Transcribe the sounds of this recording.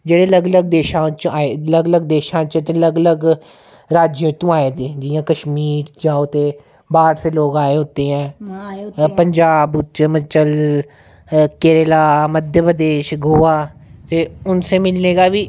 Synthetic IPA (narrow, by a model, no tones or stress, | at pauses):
d͡ʒeːɽeːləɡləɡ̚d̪eːʃãːt͡ʃaːeləɡələɡ̚d̪eːʃãːt͡ʃt̪eːləɡələɡ | ɾaːd͡ʒjẽːt̪ũːaːeːd̪eːd͡ʒɪjãːkəʃmiːɾd͡ʒãːot̪eː | baːɾseːloːɡaːeːɦot̪eːɦɛ̃ː | pəɲd͡ʒaːbt͡ʃmət͡ʃəl | keːɾelaːməd̪ʱjəpɾəd̪eːʃɡʊːʋaːt̪eːʊnseːmɪlneːɡaːʋiː